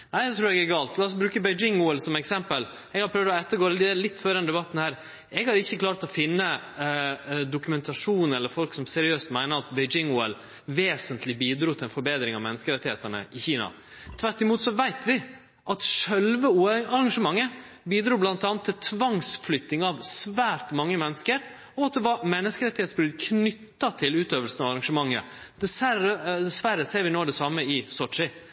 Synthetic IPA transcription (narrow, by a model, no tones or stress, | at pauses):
næɪd̪ɛt̪ʰɾʉːɾɛɡæɾɡɑːlt̪lɑːɔsbɾʉːkəbɛɪd͡ʒɪŋuːɛlsɔmɛksɛmpəl | ɛɡhɑɾpʰɾœʋd̪ɔɛt̪ːəɾɡoːɾd̪ɛlɪt̪ːføːɾd̪ɛnd̪ɛbɑt̪ːn̩hæːɾ | ɛɡhɑɾɪçːəkʰlɑːɾt̪ɔfɪnːə | d̪ʊkʉmɛnt̪ʰɑʂuːn̩ɛlːəɾfɔlksɔmsɛɾɪøːst̪mæɪnəɾɑt̪bɛɪd͡ʒɪŋuːɛl | ʋeːsənt̪ʰlɪbiːd̪ɾuːt̪ʰɪlɛnfɔɾbeːd̪ɾɪŋɑʋmɛnəskəɾɛt̪ːɪheːt̪əɳə̰ʔɪçiːnɑ̰ | t̪ʰʋæʈːɪmuːt̪sɔʋæɪt̪ʰʋɪ | ʔɑt̪ʂɛlʋəuːɑɾɑŋʂəmɑŋːə | biːd̪ɾuːblɑnt̪ɑːnt̪ʰːɪlt̪ʰʋɑŋsflʏt̪nɪŋɑʋsʋæːɾʈ̪mɑŋːəmɛnːəskəɾ | ɔɑt̪̚d̪ɛʋɑɾmɛnːəskəɾɛt̪ːɪheːt̪sbɾʉːd̪kʰnʏt̪ːɑt̪ʰɪlʉːt̪øːʋəlsən̩ɑʋɑɾɑŋʂəmɑŋːə̰ | d̪̥ɛsæəd̪ɛsʋæɾːəseːɾʋɪnoːd̪ɛsɑmːəɪsɔʈʂɪ